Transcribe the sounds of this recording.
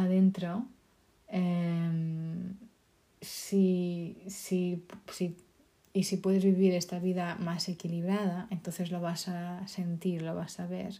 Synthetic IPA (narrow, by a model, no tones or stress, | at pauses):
aðent̪ɾo | em | si | sipsi | isipwe̞ðezβiβiɾest̪aβiðamase̞kiliβɾaðaʔent̪onθe̞zlo̞βasase̞nt̪iɾlo̞βasaβḛɾ